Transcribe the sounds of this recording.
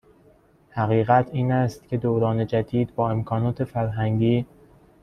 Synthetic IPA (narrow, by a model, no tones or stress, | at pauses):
hæɣiːɣæt̪ʰiːnæst̪̚cʲʰe̞d̪oːɾɒːne̞d͡ʒæd̪iːd̪bɒːe̞mkʰɒːnɒːt̪ʰe̞fæɾɦæŋɟiː